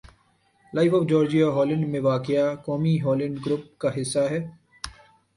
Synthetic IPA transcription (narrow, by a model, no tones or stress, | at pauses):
laːɪfɔfd͡ʒɔːɾd͡ʒijaɦɔːlɪ̃ɳɖmẽʋaːkɪjakɔːmiɦɔːlɪ̃ɳɖɡɾʊp̚kaɦɪsːaɦɛː